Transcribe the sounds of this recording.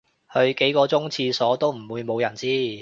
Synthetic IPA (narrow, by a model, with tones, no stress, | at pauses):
hɵ˧ɥke˨˥jkɔː˧t͡sʊ˥ŋt͡sʰiː˧sɔː˨˥t̪o˥wm̩˨˩wuː˨˧jmo˨˧wjɐ˨˩nsiː˥